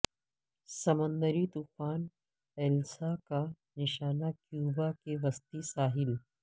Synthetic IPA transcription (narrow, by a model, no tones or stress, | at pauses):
sɐmə̃nd̪əɾit̪uːfaːn | ɛːlsaka | nɪʃaːnakjuːbakeʋɐst̪isaːɦɪl